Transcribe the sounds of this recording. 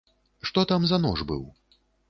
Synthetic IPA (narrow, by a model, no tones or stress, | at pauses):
ʂt̪ɔt̪amzɐnɔ̰ʐbɨ̰w